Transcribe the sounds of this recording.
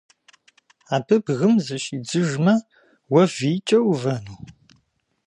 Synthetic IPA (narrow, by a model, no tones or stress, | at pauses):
aːbɨbɣɨmzɐʃiːd͡zɨʒmɐ | wɐviːt͡ʃʼɐwvɐnuː